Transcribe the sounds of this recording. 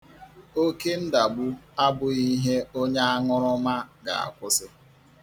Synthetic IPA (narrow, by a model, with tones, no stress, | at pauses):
o˦ke˦n̩˦da˨bʊ˦a˦bʊ˨i˦ɦe˦o˦ɲa˦a˦ŋʊ˦ɾʊ˦ma˦ɡa̰˨a̰˨kʷʊ˦sɪ˦